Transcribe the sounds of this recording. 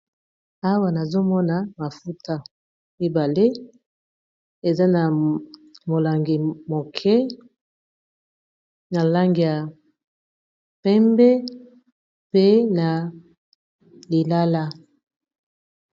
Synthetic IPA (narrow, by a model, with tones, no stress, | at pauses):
a˦wa˦na˨zo˦mɔ˦na˨ma˨fu˦tʰa˦ | i˦ba˨le˦ | e˨za˦na˨ | mo˨la˨ŋɡi˨mo˨kʰɛ˦ | na˨la˦ŋɡi˨ja˨ | pɛ˦mbɛ˦ | pe˦na˨ | li˨la˦la˦